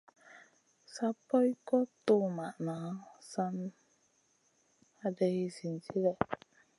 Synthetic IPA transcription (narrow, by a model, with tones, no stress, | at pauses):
sa˦pːɔ˦jkɔ˦t̪o˦˨ma˨ʔna˨˦sa˦n | a˦dɛ˦i˦si˨nti˦lɛ˨ʔ